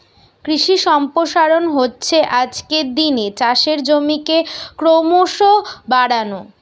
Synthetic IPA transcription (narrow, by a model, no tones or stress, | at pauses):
kɾiʃiʃɔmpɾoʃaɾonɦotːɕʰeʔad͡ʑkeɾd̪inet͡ɕaʃeɾd͡ʑomikekɾomoʃobaɽano